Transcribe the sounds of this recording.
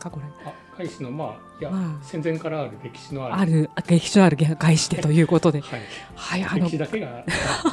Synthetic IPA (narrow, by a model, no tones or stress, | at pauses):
kako̞ɾea | ɡ̥aiɕinomaː | jaasẽ̞nd͡zẽŋkaɾaːɾɯ̟ɾe̞kʲi̥ɕino̞aɾaɾɯ̟ɡe̞kʲi̥ɕino̞aɾɯ̟ɡeɡaiɕi̥d̪e̞t̪o̞jɯ̟ːko̞t̪o̞d̪e̞hai | haianoid̪akeɡa